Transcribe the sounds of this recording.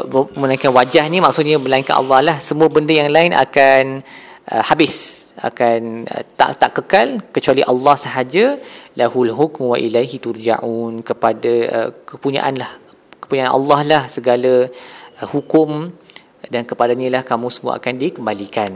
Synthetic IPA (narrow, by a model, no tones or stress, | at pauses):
məlaĩŋkanwad͡ʒahnimaksʊt̪̚ɲãməlaĩŋkanʔɑ̰lːɑhlahsəmũəbəndəjaŋlaɪnʔa̰kan | ʔə̰habɪsa̰kanə̰t̪a̰ʔt̪aʔkəkalkət͡ʃualiʔɑlːɑhsəɦad͡ʒalaɦulɦukmwaʔilajɦit̪urd͡ʒa̰ʔunkəpadaə̰kəpuɲã̰ʔanlah | kə̥puɲaʔanʔa̰lːɑhlahsəɡalaəhukʊm | dankəpadaɲalahkamũsəmua̰a̰kandikəmbalikan